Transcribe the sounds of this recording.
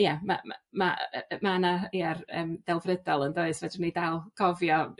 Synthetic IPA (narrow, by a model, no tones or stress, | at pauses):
jama̰mamamanaiarə̰ːmd̥ɛlˠvrədɔlˠəndoɨsv̥ɛdɪnidalˠɡ̥ʰɔvjɔ